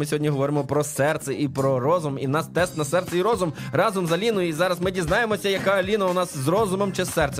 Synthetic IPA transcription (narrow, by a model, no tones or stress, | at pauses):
mɪsʲɔɦɔdʲiɦɔʋɔɾɪmɔpɾɔsɛrt̪sɛʔipɾɔɾɔzʊminɑst̪ɛst̪nɐsɛrt̪sɛiɾɔzʊmrɑzɔmzɐlʲinʊjʊizɑɾɐzmɪdʲiznɑjemɔsʲɐjɐkɑlʲinɐʊnɑszrɔzʊmɔmt͡ʃɪsːɛrt̪sɛ